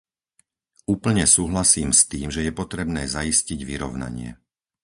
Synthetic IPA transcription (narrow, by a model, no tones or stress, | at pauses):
uːpl̩ɲɛsuːɦlasiːmst̪iːmʒɛjɛpɔt̪ɾɛbnɛːzaisciɟʋiɾɔʊna̰ɲɪɛ̰